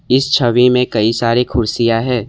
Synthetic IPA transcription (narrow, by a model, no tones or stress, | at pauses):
ɪst͡ʃʰɐʋimẽkɐisaːɾekʰʊɾsijaɦɛː